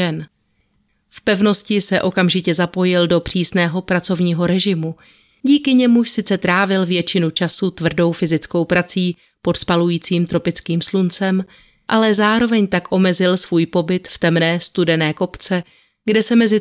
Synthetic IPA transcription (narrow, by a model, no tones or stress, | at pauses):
ɛn | fpɛvno̞scɪsɛʔo̞kamʒɪcɛzapo̞jɪldo̞pr̝̥iːsnɛːɦo̞pɾat͡so̞vɲiːɦo̞ɾɛʒɪmu | ɟiːkɪɲɛmuʃsɪt͡sɛt̪ɾaːvɪlvjɛt͡ʃɪnut͡ʃasut̪vr̩do̞wfɪzɪt͡sko̞wpɾat͡siː | po̞t̪spalujiːt͡siːmt̪ɾo̞pɪt͡skiːmslunt͡sɛm | ʔalɛzaːɾo̞vɛɲt̪akʔo̞mɛzɪlsvuːjpo̞bɪt̪ft̪ɛmnɛːst̪udɛnɛːko̞pt͡sɛ | ɡdɛsɛmɛzɪ